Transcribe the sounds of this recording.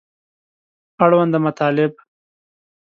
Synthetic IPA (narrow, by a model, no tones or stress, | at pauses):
aɽwand̪əmat̪ɑːlɪb